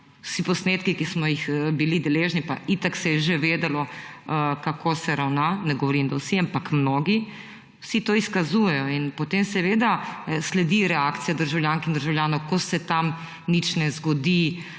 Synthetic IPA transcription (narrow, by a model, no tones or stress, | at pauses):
wsipɔsneːt̪kikismɔjixbilid̪ɛleʒnipa̰it̪aksɛjɛʒeʋeːd̪ɛlɔ | kakʰosɛɾawnanɛɡɔʋɔɾind̪awsiampakmnoːɡi | wsit̪oːiskazuːjɛjɔinpot̪emsɛʋeːd̪aslɛd̪iɾɛakt̪sijad̪əɾʒawljaːŋkind̪əɾʒawljaːnɔwkɔsɛt̪am | nit͡ʃnɛzɡɔd̪i